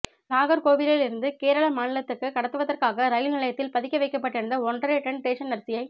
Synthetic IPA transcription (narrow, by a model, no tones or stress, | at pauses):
naːɣɐɾkoːʋɪɾɪlɪɾɯnd̪ɯkeːɾɐɭɐmaːnɪlɐt̪ːɯkːɯkɐɽɐt̪ːɯʋɐðɐrkaːɣɐɾɐjɪlnɪɭɐjɐt̪ːɪlpɐðɪkːɐʋɐɪkːɐpːɐʈːɪɽɐnd̪ɐɔɳɖɐɾeʈɛɳʈeːʂɐnɐɾt̪ɪjɐɪ